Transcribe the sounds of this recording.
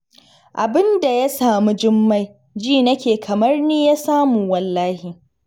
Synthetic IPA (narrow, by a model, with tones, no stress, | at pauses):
ʔa˨bɪ˦nda˨ja˦saː˨mu˦d͡ʒɪ˦mːa˦j | d͡ʒiː˦˨nɐ˦kʲeː˨kʰɐ˨mɐ˦rniː˦ja˦saː˦muː˨wɐ˨lːaː˦hi˨